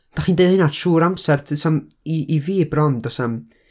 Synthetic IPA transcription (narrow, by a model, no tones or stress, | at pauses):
d̥aχiːndeðɪnad̥ʃuːɾamsɛrtʰɨsam | iʔiviːbrɔndɔsam